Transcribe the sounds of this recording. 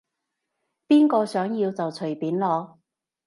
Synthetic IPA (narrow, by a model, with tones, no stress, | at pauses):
piː˥nkɔː˧sœː˨˥ŋjiː˧wt͡sɐ˨wt͡sʰɵ˨˩piː˨˥nlɔː˨˧